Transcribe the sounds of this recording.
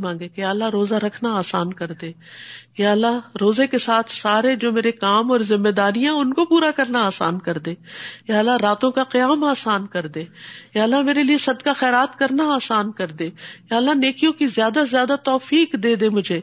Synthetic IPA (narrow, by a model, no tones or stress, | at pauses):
mãːŋɡekejaːɐlːaɦɾoːzaɾɐkʰnaaːsaːnkɐɾd̪ẽː | jaːəlːaɦɾoːzekesaːt̪ʰsaːɾed͡ʒoːmeːɾekaːmɔːɾzɪmːed̪aːɾijãʊnkopuːɾakɐɾnaaːsaːnkɐɾd̪ẽːjaːəlːaɾaːt̪õkaqɐjaːmaːsaːnkɐɾd̪ẽːjaːəlːameːɾeliesɐd̪kaxɛːɾaːt̪kɐɾnaaːsaːnkɐɾd̪ẽːjaːɐlːaneːkijõkizjaːd̪azjaːd̪at̪ɔːfiːqd̪eːd̪ẽːmʊd͡ʒʱeː